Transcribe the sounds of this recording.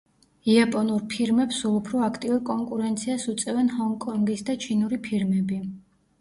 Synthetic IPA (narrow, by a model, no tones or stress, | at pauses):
iapʼɔnuɾpʰiɾmɛpsulˠupʰɾɔakʰt̪ʼiuɾkʼɔŋkʼuɾɛnt̪sʰiasut̪sʼɛvɛnhɔŋɡkʼɔŋɡisd̪at͡ʃʰinuɾipʰiɾmɛbi